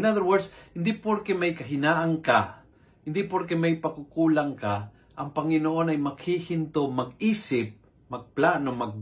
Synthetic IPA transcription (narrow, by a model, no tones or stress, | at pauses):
naðəɹwɛɹdshɪnd̪ɪpoɾkɛmajkaɦɪnaːʔaŋka | hɪnd̪ɪpoɾkɛmajpakʊkuːlaŋka | ʔaŋpɐŋɪnoːʔonajmaɡhihɪnt̪omaɡiːsɪp̚ | mɐɡ̚plaːnomaɡ̚